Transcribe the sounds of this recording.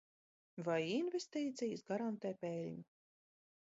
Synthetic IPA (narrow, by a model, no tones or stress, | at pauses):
vajinvʲest̪iːt̪sijɨsɡaɾant̪ɛːpɛlʲɲu